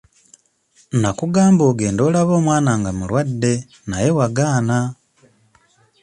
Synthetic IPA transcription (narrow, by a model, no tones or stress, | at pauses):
nakuɡaːmboːɡeːndo̞ːlaβo̞ːmwaːnaŋɡamulwadːe̞ | naje̞waɡaːna